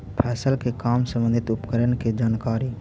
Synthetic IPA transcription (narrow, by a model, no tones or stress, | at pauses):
pʰɛːsəlkekaːmsə̃mbə̃nd̪ʱɪt̪ʊpkəɾənked͡ʒaːnkaːɾiː